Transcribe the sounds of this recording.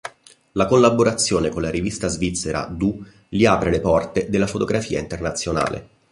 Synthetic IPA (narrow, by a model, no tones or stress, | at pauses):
lakolːaboɾat̪sːjoːnekonlaɾivist̪azvit̪sːeɾa̰d̪u | liaːpɾelepɔrt̪ed̪elːafot̪oɡɾafiːaint̪ernat̪sːjona̰ːlḛ